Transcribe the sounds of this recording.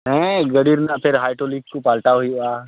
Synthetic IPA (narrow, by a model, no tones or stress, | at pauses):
ɦɛ̃ɡəɽiɾnapʰɪɾɦaːjʈolikkːopaːlʈaɦoia